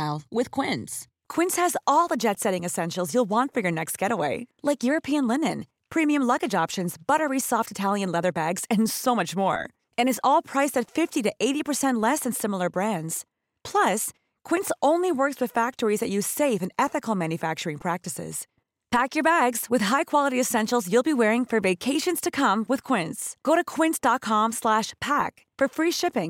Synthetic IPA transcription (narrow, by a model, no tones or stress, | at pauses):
lˠwɪð̥kʰw̥ɪ̃ns | kʰw̥ɪ̃nshɨzɔlˠðəd͡ʒɛtsɛɾɪ̃ŋɨsɛ̃nʃl̩ˠzjulˠwɑ̃ntfə˞jə˞nɛkst̚ɡ̥ɛɾəweɪlaɪkjʊɹɨpʰiɨ̃nlɪ̃nɨ̃n | pʰɹ̥imiɨ̃mlʌɡɨd͡ʒɑpʃɨ̃nzbʌɾə˞isɔftɨtʰælˠjɨ̃nlɛðə˞bæɡz̥ɨ̃nsoʊmʌt͡ʃmɔ̰ɹ | ɨ̃ñɨzɔlˠpʰɹ̥aɪsɨtfɪftiɾɨʔeɪɾipʰə˞sɛ̃nʔˡlɛsɨ̃nsɪ̃ml̩ˠə˞bɹæ̃ndz̥ | pʰl̥ʌs | kʰw̥ɪ̃ntsõʊ̃nliwɜ˞kswɨð̥fæk̚tə˞izðɨt͡ʃɨ̥seɪfɨ̃nɛθɨkl̩ˠmæ̃njɨfæk̚t͡ʃə˞ɪ̃ŋpʰɹ̥æk̚tɨsɪ̰z̥ | pʰækjə˞bæɡz̥wɨð̥ɦaɪkʰw̥ɑlˠəɾiɨsɛ̃nʃl̩ˠzjʉlˠbiwɛɹɪ̃ŋfə˞veɪkʰeɪʃɨ̃nz̥tʰɨkʰʌ̃mwɨð̥kʰw̥ɪ̃ntsɡ̥oʊɾɨkʰw̥ɪ̃ntsd̥ɑt̚kʰɑ̃mslæʃpʰæk | fə˞fɹiʃɪpɪ̃ŋ